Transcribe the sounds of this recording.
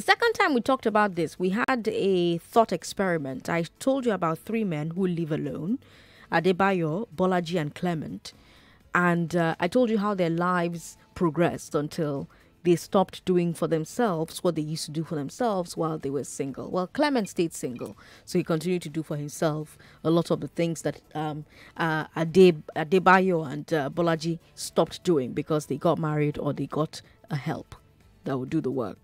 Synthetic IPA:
ðəsɛkə̃ntʰãɪ̃mwitʰɔk̚təbaʊt̪̚ðɪswiədɨθɔtɛkspɛɹɪmɨ̃ntʰa̰ɪtʰoʊlˠdəəbaʊt̪̚θɹimɛ̃nɦulɪvəlõ̰ʊ̃n | əd̪ebaɔbɔlad͡ʒiɨ̃nkʰl̥ɛmɨ̰̃nt | ʔə̃ndʔa̰ɪtʰoʊlˠd͡ʒɨɦaʊðə˞laɪvz̥pʰɹ̥ɔɡɹɛ̰stə̃ntʰɪlˠ | ðeɪstɑp̚td̥uɪ̃ŋfə˞ðɨ̃msɛlˠvz̥wʌt̪̚ðeɪjʉstʰədɨfə˞ðɛ̃msɛlˠvz̥waɪlˠðewə˞sɪ̃ŋɡə̰l̩ˠwʔɛlˠkʰl̥ɛmɨ̃nsteɪd̥sɪ̃ŋɡə̰l̩ˠsoʊhikə̃ntɪ̃njʉd̚tʰɨdɨfə˞ɪ̃msɛlˠf | əlɔɾʌvðəθɪ̃ŋzðɨɾʌ̃mʔʌədeədebajoə̃nʌbɔlad͡ʒi | stɑp̚td̥uɪ̰̃ŋbɨkʰʌzðeɪɡɑt̚mæɹiɾə˞ðeɪɡɑɾ | əhɛ̰lˠp | ðət̚wədɨðəwɜ̰˞k̚

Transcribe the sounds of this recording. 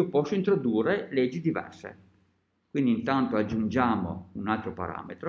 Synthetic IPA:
opɔsːoint̪ɾod̪uːrːeled͡ʒːid̪ivɛ̰rsḛ | kwind̪int̪ant̪oad͡ʒːund͡ʒaːmo̰unalt̪ɾopa̰ɾa̰ːmet̪ɾo

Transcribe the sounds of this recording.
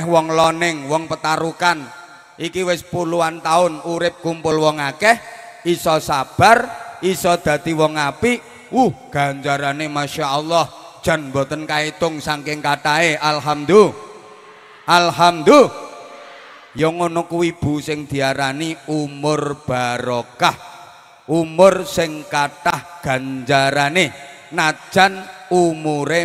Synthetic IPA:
hwɔŋlɔnɪŋwɔŋpət̪aɾukan | ʔikiwɪspuluant̪aʊnuɾɪp̚kumpʊlwɔŋakɛhisɔsab̥a̤risɔd̪̥ä̤d̪i̤wɔŋapi | wuhɡ̥a̤ɲt͡ʃaɾanemaʃaʔɔlˠːɔh | d̥ʒ̥a̤nmbo̤t̪ənkait̪ʊŋsaŋkɪŋkaʈaeʔalɦamd̪u | ʔalɦamd̪u | jɔŋonokuwib̥ṳsɪŋd̪̥i̤aɾaniumʊrb̥a̤ɾokah | ʔumʊrsɪŋkaʈahɡ̥ä̤ɲd͡ʒaɾane | nad̥ʒ̥a̤numuɾe

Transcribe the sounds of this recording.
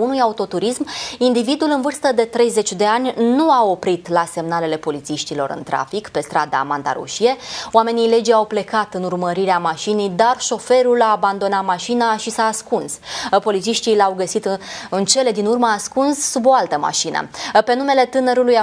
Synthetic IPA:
unujaut̪o̞t̪uɾismind̪ivid̪ulɨnvɨrst̪əd̪e̞t̪ɾe̞jze̞t͡ʃʲd̪e̞anʲnuao̞pɾit̪lase̞mnale̞le̞po̞lit̪siʃt̪ilo̞̰ɾɨ̰nt̪ɾa̰fikpe̞st̪ɾad̪a̰mant̪a̰ɾṵʃije̞owame̞nijle̞d͡ʒawple̞kat̪ɨnurməɾiɾeamaʃinijd̪arʃo̞fe̞ɾulaːband̪o̞nat̪maʃinaʃisaːskunspo̞lit̪siʃt̪ileawɡəsit̪ɨnt͡ʃe̞le̞d̪inurməaskunsːubo̞alt̪əma̰ʃinə̰pe̞nume̞le̞t̪ɨnəɾuluja

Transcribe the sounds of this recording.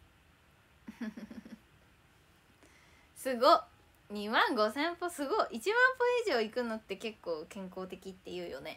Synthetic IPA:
h | sɨɡo | ɲ̟imãŋɡo̞sẽ̞mpo̞sɨɡo̞ʔit͡ɕimãmpoeːʑioikɯ̟no̞t̪ːe̞ke̞kːo̞ːkẽ̞ŋko̞ːt̪e̞kʲit̪ːe̞jɯ̟ːjo̞̰ne̞

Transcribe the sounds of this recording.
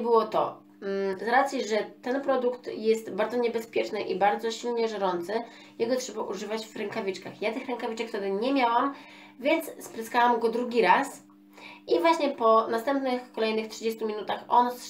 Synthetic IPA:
bɘwɔt̪ɔ̰ | zɾat̪sʲjiʐɛt̪ɛnpɾɔd̪ukt̪jɛst̪baɾd̪zɔɲɛbɛspʲjɛt͡ʂnɘʔibaɾd̪zɔɕilɲɛʐɛɾɔnt̪sɘ | jɛɡɔtʂɛbaʔuʐɘvad͡ʑvɾɛŋkavʲit͡ʂkaxjat̪ɘxɾɛŋkavʲit͡ʂɛkft̪ɛd̪ɘɲɛmʲjawam | vʲjɛnt̪sspɾɘskawamɡɔd̪ɾuɡʲiɾas | ivwaɕɲɛpɔnast̪ɛmpnɘxkɔlɛjnɘxtʂɘd͡ʑest̪umʲinut̪axɔns

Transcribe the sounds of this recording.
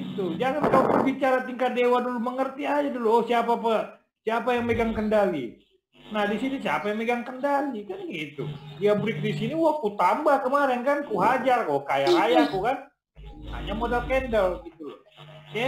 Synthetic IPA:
it̪ud͡ʒaŋankalokəbit͡ʃaɾat̪iŋkat̪̚dewaduluməŋərt̪iad͡ʒaduluɔhsiapaːpa | siapajaŋmeɡaŋkəndali | nahdisinisiapajaŋmeɡaŋkəndalikanɡit̪ṵdiabɾɪk̚disiniwakut̪ambahkəmaɾɪnkankuɦad͡ʒarkakajaɾajakukan | ha̰ɲamodalkɛndəlɡit̪u

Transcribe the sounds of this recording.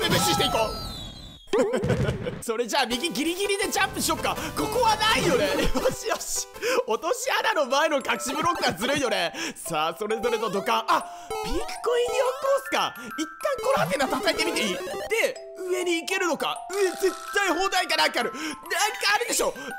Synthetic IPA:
emeɕiɕi̥t̪eiko̞ː | so̞ɾe̞d͡ʑaːmʲiɡʲiɡʲiɾʲiɡʲiɾʲid̪e̞d͡ʑãmpɯ̟ɕio̞ːkːako̞ko̞βanaijo̞ne̞oɕiaɕi̥ot̪o̞ɕianano̞mae̞no̞kakɯ̟̥ɕibɯ̟ɾo̞kɯ̟ɡazɨɾɯ̟ijo̞ne̞saːso̞ɾe̞zo̞ɾet̪o̞d̪o̞kãɰʔa | bʲiːki̥koiɲʲiokoːsɨ̥ka̰ | it̪ːãŋko̞ɾohak̬ẽnːat̪at̪aet̪e̞mʲit̪eiːd̪̥e̞ | ɯ̟e̞ɲ̟iːke̞ɾɯ̟no̞ka̰eze̞t̪ːaiɦo̞ːd̪aikanãŋkaaɾɯ̟nãŋkaːɾɯ̟d̪e̞ɕo̞ː

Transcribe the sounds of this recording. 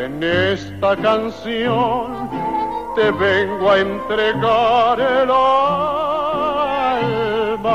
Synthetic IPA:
enest̪akansjon | t̪eβeŋɡoaent̪ɾeɣaɾela | ma

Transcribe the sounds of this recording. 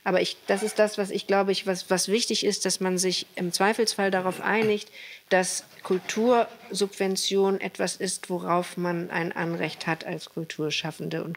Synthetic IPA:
ʔaːbɐɪçd̥asɪstd̥asv̥asɪçɡ̥laʊbəɪçvasvasv̥ɪçtɪçɪst̚d̥asmanzɪçʔɪmt͡sv̥aɪfl̩sfaldaʁaʊfʔa̰ɪnɪçtd̥askʰʊltʰuːɐzʊpv̥ɛnt͡sjoːnʔɛ̰tv̥asɪstv̥oʁaʊfmanʔa̰ɪnʔa̰nʁɛçthatʰalskʰʊltʰuːɐʃafn̩dəʊ̰nt

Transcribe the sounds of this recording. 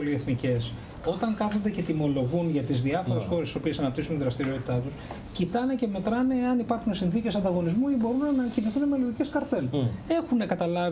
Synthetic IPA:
olie̞θnice̞s | o̞t̪ɐŋkɐθond̪ece̞t̪imo̞lo̞ɣunʝɐt̪izðiɐfo̞ɾessxo̞ɾest̪iso̞pie̞sɐnɐp̚t̪isunt̪iðɾɐst̪iɾio̞t̪i̥t̪ɐt̪us | cit̪ɐne̞ce̞me̞t̪ɾɐne̞ɐnipɐɾxunesinθicesɐnd̪ɐɣo̞nizmuibo̞ɾunenɐciniθune̞me̞lo̞ðice̞skɐɾt̪ele̞xune̞kɐt̪ɐlɐ

